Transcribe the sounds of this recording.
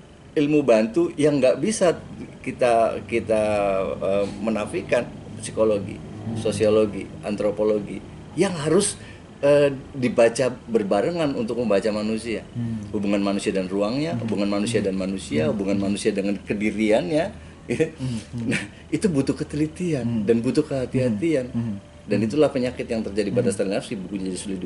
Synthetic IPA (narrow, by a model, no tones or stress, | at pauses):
ilmubant̪ujaŋɡaʔbisakit̪akit̪aəmənafikansi̥koloɡḭsosioloɡiʔa̰nt̪ɾopoloɡi | jaŋɦaɾʊs | ədibat͡ʃabərbaɾəŋanunt̪ʊk̚məmbat͡ʃamanusiahubuŋanmanusiadanruaŋɲahṵbuŋanmanusiadanmanusiahubuŋanmanusiadəŋankədiɾianɲa | it̪una | it̪ubut̪ʊkət̪əlit̪iandanbut̪ʊhkəɦat̪iɦat̪ian | danit̪ulahpəɲakɪt̪jaŋt̪ərd͡ʒadipadast̪alinafsibukuɲad͡ʒadisulidu